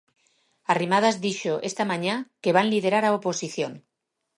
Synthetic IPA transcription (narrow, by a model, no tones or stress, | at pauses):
arimað̞azðiʃoʔest̪amãɲakeβ̞anlið̞eɾaɾaoposiθjoŋ